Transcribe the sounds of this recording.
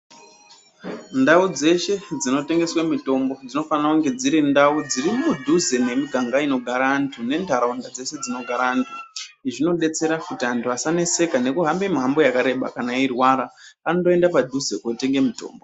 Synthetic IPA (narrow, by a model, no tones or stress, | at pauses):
ndaud͡ze̞ʃe̞d͡zino̞te̞ŋɡe̞swamito̞mbo̞d͡zino̞fanakuŋɡe̞d͡ziɾindaud͡zirimudʱuzene̞miɡʱaŋɡaino̞ɡʱaɾaːntʰune̞ndʱaɾaundad͡ze̞se̞d͡zino̞ɡʱaɾaːntʰuʐino̞ɗe̞t͡se̞ɾakutiantuasanese̞kane̞kuɦambe̞miɦambo̞jakaɾe̞ɓa̰kanairwaɾapanotoe̞ndapadʱuze̞kote̞ŋɡe̞mito̰ːmbo